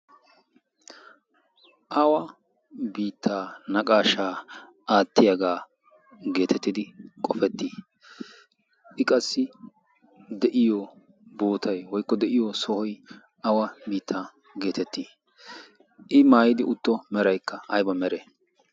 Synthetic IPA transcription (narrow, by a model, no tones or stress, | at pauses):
ʔɐwɐ | biːt̪ʰːaːnɐkʼaːʃaː | ʔaːt̪ːɪjɐɡaː | ɡe̞ːt̪ɛt̪ːɪd̪ɪkʼɔfɛt̪ːiː | ʔɪkʼɐsːɪ | d̪ɛʔɪjɔ | boːt̪ʰɐjwɔjkːɔd̪ɛʔɪjɔsɔhɔj | ʔɐwɐbiːt̪ʰːaː | ɡeːt̪ɛt̪ːiː | ʔɪmaːjɪd̪ɪʔʊt̪ːɔmɛɾɐjkːɐɐjbɐmɛɾe